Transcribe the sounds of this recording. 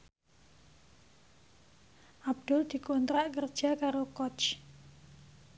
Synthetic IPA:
ʔab̚d̥ʊld̪̥i̤kont̪ɾaʔkərd̥ʒ̥a̤kaɾokɔt͡ʃ

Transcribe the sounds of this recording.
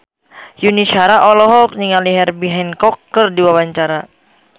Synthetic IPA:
juniʃaɾaʔɔlɔɦɔk̚niŋaliɦɛrbiɦɛnkɔkːɨrdiwawaɲt͡ʃaɾa

